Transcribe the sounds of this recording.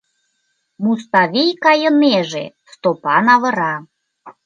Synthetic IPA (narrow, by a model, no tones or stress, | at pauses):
must̪ɑβʲijkɑjə̆neʒe | st̪opɑnɑβɤ̆ɾɑ